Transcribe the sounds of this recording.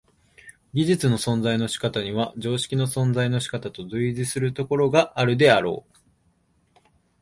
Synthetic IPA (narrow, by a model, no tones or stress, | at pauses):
ɡʲiʑit͡sɨno̞sõ̞nzaino̞ɕi̥kat̪aɲ̟iβaʑo̞ːɕi̥kʲino̞sõ̞nd͡zaino̞ɕi̥kat̪at̪o̞zɨiʑisɨɾɯ̟t̪o̞ko̞ɾo̞ɡaʔːɾɯ̟d̪e̞aɾo̞̰ː